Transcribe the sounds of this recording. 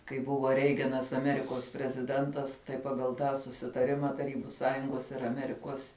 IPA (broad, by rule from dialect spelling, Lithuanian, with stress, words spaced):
kɐɪ ˈbʊʋoː ˈrʲɛɪɡɐnɐs ɐˈmʲæːrʲɪkoːs pʲrʲɛzʲɪˈdʲɛntɐs tɐɪ ˈpɑːɡɐlˠ ˈtɑː sʊsʲɪtɐˈrʲɪmɐ tɐˈrʲiːbʊ ˈsɑːjʊŋɡoːs ɪr ɐˈmʲæːrʲɪkuɔs